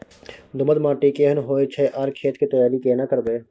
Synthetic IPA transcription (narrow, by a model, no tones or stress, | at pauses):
d̪ʊməd̪maːʈikeːɦənɦoːet͡ʃʰɛːʔaːɾkʰeːt̪kit̪ɐjaːɾikeːnakəɾd̪eː